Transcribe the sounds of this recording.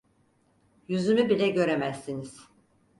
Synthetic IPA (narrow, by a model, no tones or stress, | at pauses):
jyzymybilʲɛɟø̞ɾemæsːiniz̥